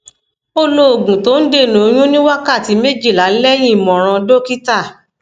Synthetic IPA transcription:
o˧lo˦o˨ɡũ˨to˨˦n̩˦de˦˨nõ˨˦j̃ũ˦nĩ˦wa˦ka˦˨ti˧˦me˦d͡ʒi˦˨la˨˦lɛ˦j̃ĩ˦˨mɔ̃˨ɾ̃ã˧do˦ki˦ta˦˨

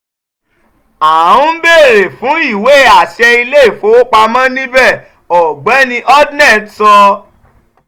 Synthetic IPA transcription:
a˨ũ˦be˦˨ɾe˨fũ˨˦i˦˨we˨˦˨a˨ʃɛ˧i˧le˦˨fo˨˦k͡pa˧mã˦nĩ˦bɛ˦˨ | ɔ˨ɡ͡bɛ˨˦nĩ˧ʔɔ˦dnɛ˦˨tsɔ˧

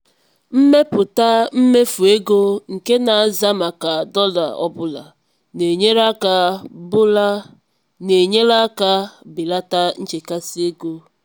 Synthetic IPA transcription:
m̩˦me˦pʊ˨ta˦m̩˦me˦fu˨e˦ɡo˦ŋ̩˨ke˦na˨a˨za˦ma˨ka˨dɔ˦la̰˨ɔ̰˦bʊ˦la̰˨ | ne˨ɲe˦ɾa˦ka˨bʊ˦la˦ | ne˨ɲe˦la˦ka˦bɪ˨la˦ta˦n̩˦t͡ʃe˨ka˦si˦e˦ɡo˦

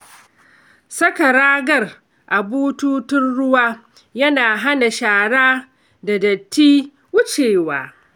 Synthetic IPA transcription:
sɐ˦ka˨ɾaː˦ɡɐ˦˨r | ʔa˨buː˦tuː˦tʊ˦nɽʊ˦waː˦ | jɐ˦naː˨ɦa˦na˨ʃaː˨ɽaː˦ | da˨dɐ˨tːiː˦ | wʊ˦t͡ʃeː˨waː˨

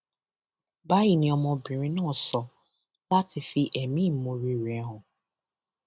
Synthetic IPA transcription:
ba˦ji˨nĩ˦ɔ˧mɔ̃˧bĩ˨ɾ̃ĩ˦nɔ̃˦˨sɔ˧ | la˦ti˧fi˧ʔɛ˨mĩ˦˨mõ˨ɾi˦˨ɾɛ˦ɦʊ̃˨

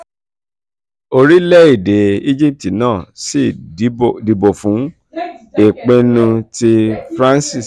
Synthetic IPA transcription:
o˧ɾi˦lɛ˦i˦˨de˨i˦d͡ʒi˦˨p̚ti˨nãː˦˨si˦˨˦ | di˨bo˨fũ˨˦ | e˨k͡pe˦nũ˧ti˧fɾã˦nsi˦˨s

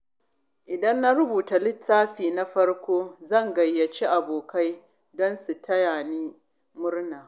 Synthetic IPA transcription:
ʔɪ˨dɐ˦nːa˦ɾʊ˦buː˨ta˨lɪ˦tːaː˦ɸiː˨na˦ɸɐ˦rkʷoː˦zɐ˦˨ŋɡɐ˨jːɐ˨t͡ʃi˦ʔa˨boː˨ka˦j | dɔ˦nsu˨tʰɐ˦jaː˨niː˦ | mʊ˦rnaː˨

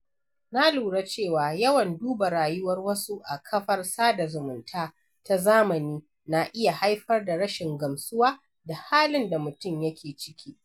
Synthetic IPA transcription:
na˦luː˨ɽa˦t͡ʃeː˦˨waː˨jɐ˦wɐ˨nduː˦ba˨ɾaː˨jʊ˦wɐ˦rwɐ˦su˦ʔa˨kʰɐ˦ɸɐ˦rsaː˦da˨zʊ˨mʊ˨ntʰaː˦ | ta˦zaː˦mɐ˨niː˦ | na˨ʔɪ˦ja˨ha˦jɸɐ˦rda˨ɽɐ˦ʃɪ˨ŋɡɐ˨msʊ˦waː˦ | da˨haː˦lɪ˦nda˨mʊ˨tʊ˦mjɐ˦kʲʰeː˨t͡ʃɪ̥˦kʲiː˦

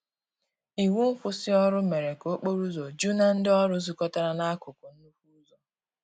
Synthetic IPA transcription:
i˨wu˦m̩˦fʊ˦sɪ˦ɔ˦ɾʊ˦me˨ɾe˨ko˦k͡po˦ɾu˦zo˨d͡ʒu˦na˦n̩˦dɪ˦ɔ˦ɾʊ˦zu˨kɔ˦ta˦ɾa˦na˦a˦kʊ˨kʊ˨n̩˦nu˦fu˦zo˦

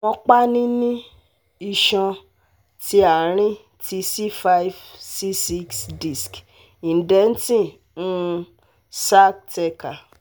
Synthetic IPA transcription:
mɔ̃˧k͡pa˦nĩ˦nĩ˦ | i˦˧ʃã˧ | ti˧˦a˨ɾ̃ĩ˦ | ti˧si˦fa˧i˦vsi˦si˦ksdi˨sk | ĩ˨n˨dɛ˨˦n̩˦tĩ˦˨ | nũ˦˧ | sa˦k̚tɛ˧ka˨

